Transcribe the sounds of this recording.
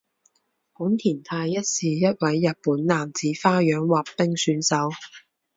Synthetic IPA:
kuː˨˥nt̪ʰiː˨˩nt̪ʰaː˧jːɐ˥t̚siː˨˧jɐ˥t̚wɐ˨˥jːɐ˨t̚puː˨˥nlaː˨mt͡siː˨˥faː˥jœː˨˥ŋwaː˨˩ppɪ˥ŋsyː˨˧˥nsɐ˨˥w

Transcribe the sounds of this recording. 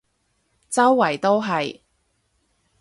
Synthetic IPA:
t͡sɐ˥wːɐ˨˩jt̪o˥wɦɐ˨j

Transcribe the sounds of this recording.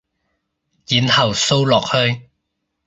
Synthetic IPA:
jiː˨nhɐ˨˩wso˥wlɔː˨k̚hɵ˧ɥ

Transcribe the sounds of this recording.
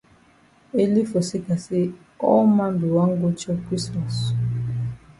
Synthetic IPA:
e˦li˦fo˨si˦ka˨si˦ | ɔ˦ma˦mbi˨wa˦ŋ˦ɡo˦t͡ʃɔ˦kwi˦sɔ˨s

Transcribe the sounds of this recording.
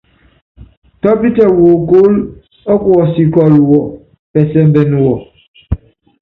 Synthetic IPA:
tɔ˦pi˦tɛ˨wo˨ko˦l | ɔ˦kwɔ˨si˨kɔ˨lwɔ˨ | pɛ˨sɛ˦m̩˦bɛ˨nu˨wɔ˨

